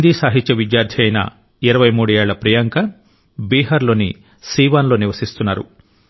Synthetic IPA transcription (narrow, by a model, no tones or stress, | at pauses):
d̪iːsaːɦit̪ːt͡ʃɐʋid̪jaːɾd̪ʱʰjɐjnɐ̰ | iɾɐʋɐjmuːɽujɛːɭɐpɾɐjɐŋkɐ | biːɦɐɾlo̞ːni | siːʋaːnlo̞ːniʋɐsist̪unːaːɾṵ